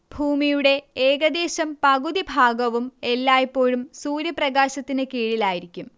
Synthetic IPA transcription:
bʱuːmijuɽe̞eːɡɐd̪e̞ːɕɐmpɐɣud̪ibʱaːɡɐʋume̞lːaːjipːo̞ːɻumsuːɾjɐprɐɣaːɕɐt̪ːinɨkiːɻilaːjiɾikʲːum

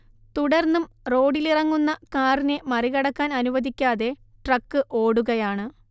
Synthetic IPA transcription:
t̪uɽɐrnːum | ro̞ːɖilirɐŋːunːɐkaːrine̞mɐriɣɐɽɐkːaːnɐnuʋɐd̪ikʲːaːðe̞ | ʈrɐkːɨʔo̞ːɽuɣɐjaːɳɨ

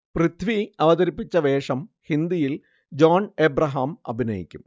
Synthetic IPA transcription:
prɨt̪ʰʋiɐʋɐðɐɾipːit͡ɕːɐʋe̞ːʂɐmhind̪ijil | d͡ʑoːneːbɾɐɦaːmɐ̰bʱinɐjḭkʲːum

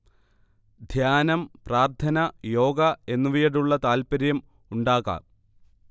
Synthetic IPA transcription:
d̪ʱjaːnɐmpraːrt̪ʰɐnɐjo̞ːɡɐe̞nːuʋijɐɽuɭːɐt̪aːlpɐɾjɐm | uɳɖaːɣɐ̰

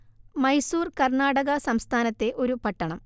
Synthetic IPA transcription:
mɐjsuːrkɐrɳaːɽɐɣɐsɐmst̪ʰaːnɐt̪ːe̞ʔo̞ɾupɐʈːɐɳɐm

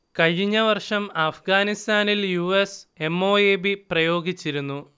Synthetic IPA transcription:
kɐɻiɲːɐʋɐrʂɐmaːfɡaːnist̪aːniljuːese̞mːoːeːbiprɐjo̞ːɡit͡ɕːiɾunːu

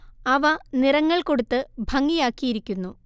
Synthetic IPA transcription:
ɐʋɐnirɐŋːɐɭko̞ɽut̪ːɨbʱɐŋːijaːkːijiɾikʲːunːu

